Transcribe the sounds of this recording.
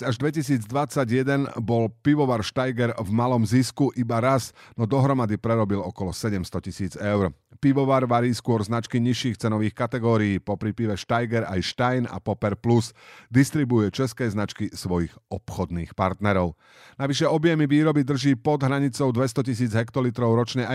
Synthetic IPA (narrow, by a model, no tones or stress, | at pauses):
aʒd̪ʋɛcisiːd͡zd̪ʋat͡saɟjɛd̪ɛnbɔlpiʋɔʋaɾʃt̪ajɡɛɾvmalɔmziskuʔibaɾaznɔd̪ɔɦɾɔmad̪ipɾɛɾɔbilɔkɔlɔsɛɟɛmst̪ɔcisiːd͡zɛʊɾpiʋɔʋaːɾʋaɾiːskʊɔɾznat͡ʃkiɲiʃiːxt͡sɛnɔʋiːxkat̪ɛɡɔːɾijiːpɔpɾipiʋɛʃt̪ajɡɛɾa̰jʃt̪ajna̰pɔpɛɾplusd̪ist̪ɾibujɛt͡ʃɛskɛːznat͡ʃkisʋɔjixɔpxɔd̪niːxpaɾt̪nɛɾɔʊ | naʋiʃɛɔbjɛmiʋiːɾɔbid̪r̩ʒiːpɔd̪ɦɾaɲit͡sɔʊd̪ʋɛst̪ɔcis̬iːd͡zɦɛkt̪ɔlit̪ɾɔʊɾɔt͡ʃɲɛa